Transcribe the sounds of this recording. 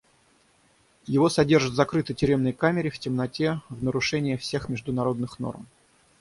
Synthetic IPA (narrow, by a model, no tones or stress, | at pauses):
jɪvo̞sɐdʲe̞rʐɨt̪zɐkɾɨt̪ətʲʏɾʲe̞mnəjkamʲɪɾʲɪftʲɪmnɐtʲevnəɾʊʂɛnʲɪjɪfsʲe̞xmʲɪʐd̪ʊnɐɾo̞d̪nɨxno̰rm